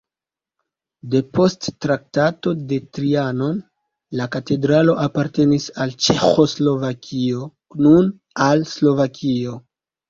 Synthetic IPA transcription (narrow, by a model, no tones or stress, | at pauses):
de̞po̞stːɾak̚tato̞de̞tɾiano̞n | lakate̞dɾalo̞ʔapaɾte̞nisalt͡ʃe̞xo̞slo̞vakʰio̞ | nun | alslo̞vakʰio̞